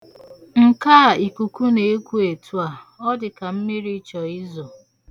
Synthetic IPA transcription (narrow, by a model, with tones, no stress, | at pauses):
ŋ̩˨kaː˦˨i˨ku˨ku˦ne˨˦kʷu˦e˨tʰu˦a˨ | ɔ˦dɪ˨ka˨m̩˦mi˦ɾi˦t͡ʃɔ˨ɪ˦zɔ˨